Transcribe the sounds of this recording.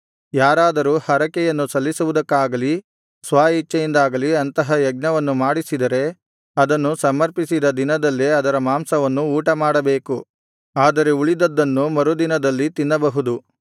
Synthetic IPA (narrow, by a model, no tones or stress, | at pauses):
jaːɾaːd̪ɐɾuːhɐɾɐkɛjɐnːusɐlːisuʋud̪ɐkːaːɡɐli | sʋaːit͡ʃːɐjind̪aːɡɐliɐnt̪ɐɦɐjɐɡ̚nɐʋɐnːumaːɽisid̪ɐɾe̞ | ɐd̪ɐnːusɐmːɐɾpisid̪ɐd̪inɐd̪ɐlːiɐd̪ɐɾɐmaːmsɐʋɐnːuːʈɐmaːɽɐbe̞ːku | aːd̪ɐɾe̞uɭid̪ɐd̪ːɐnːumɐɾud̪inɐd̪ɐlːit̪inːɐbɐɦud̪u